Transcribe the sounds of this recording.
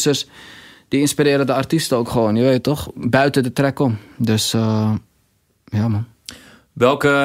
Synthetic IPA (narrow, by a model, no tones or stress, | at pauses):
sərsd̥iinspiɾɪːɾədəartistəowkχəʋoːnjəʋeːtɔxbœɥtədətrɛkɔmdøs | jaːman | ʋɛlˠkə